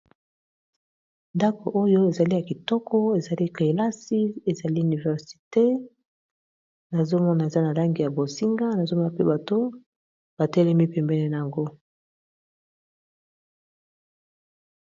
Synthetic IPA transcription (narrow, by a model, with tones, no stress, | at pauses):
nda˦ko˨ʔo˦jo˦e˨za˨li˦ja˨ki˨tɔ˦kʰɔ˦e˨za˨li˦ke˨la˦si˦e˨za˨li˦y˨ni˨vɛ˨ʁsi̥˨te˦ | na˨zo˦mɔ˦na˨e˨za˦na˨la˦ŋɡi˨ja˨bo˨si˦ŋɡa˦na˨zo˦mɔ˦na˨pe˦ba˨to˦ | b̥a˨tɛ˦lɛ˦mi˦pɛ˨mbɛ˦nɛ˦na˨a˨ŋɡo˦